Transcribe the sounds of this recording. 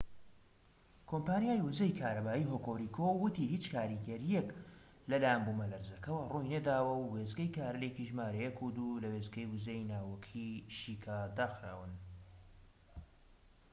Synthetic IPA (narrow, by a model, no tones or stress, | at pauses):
kʰompaːnjaːjwuzejkʰaːɾɐbaːiːɦoːkoɾikʰowɨt̪ihit͡ʃkʰaːɾiɡɐɾijek | lɐlaːjɛnbumɐlɐɾzɐkɐwɐrojnɐd̪aːwɐwwezɡɐjkʰaːɾɨlekiʒmaːɾɐjekʰud̪ulɐwezɡɐjwɨzejnaːwokʰiʃiːkʰad̪aːxɾa̰ːwɨn